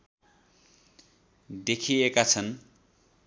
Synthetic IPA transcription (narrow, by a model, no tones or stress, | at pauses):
d̪ekʰiekat͡sʰʌn